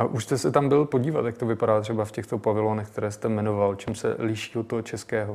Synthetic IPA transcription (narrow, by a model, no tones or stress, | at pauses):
aʔuʃst̪ɛsɛt̪ambɪlpo̞ɟiːvat̪jakt̪o̞vɪpadaːt̪r̥ɛbafcɛxt̪o̞pavɪloːnɛxkt̪ɛɾɛːst̪ɛmɛnovalt͡ʃɛmsɛ̰lɪʃiːot̪ːoɦot͡ʃɛskɛːɦo